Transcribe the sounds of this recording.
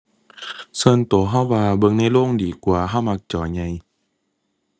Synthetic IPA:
sɤː˧˥˨nt̪u˨˩˦ɦa˧˥˩wːaː˧bɤ˧ŋna˧˥˩jloː˥˩˨ŋdiː˨˩kwaː˧ɦa˧˩wma˧˩k̚t͡ɕɔː˨˦ɲa˧j

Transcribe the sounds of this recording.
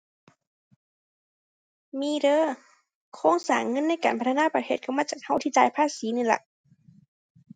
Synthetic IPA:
miː˧˥dɤː˧˥˨ | kʰoː˧˥˨ŋsaː˨˩ŋŋɤ˧˥˨nːa˧˥˨jkaː˨npa˧t̪ʰnaː˧˥˨pt̪ʰeː˧˩t̪̚ʰa˧˩wmaː˧˥˨t͡ɕaː˧˨˩k̚ha˧˥˩wt̪ʰiː˧˩t͡ɕaː˧˩jpʰaː˧˥˨siː˨˦nɯ˧˩˨la̰˧˩ʔ

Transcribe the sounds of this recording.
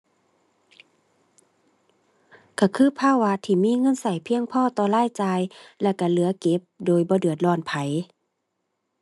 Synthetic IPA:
kʰa˧˩kʰɯː˧˥˨pʰaː˧˥˨wa˧˥t̪ʰiː˧˩miː˧˥˨ŋɤ˧˥˨nsa˨˩jpʰi˧əŋpʰɔː˧˥˨t̪ɔː˧laː˧˥˨jt͡ɕaː˧jlɛ˧˩ka˧˩lɯ˨˦ɐke˧˦p̚doː˨jbɔː˧˦dɯ˨ət̪̚lɔː˧˩npʰa˨˦j

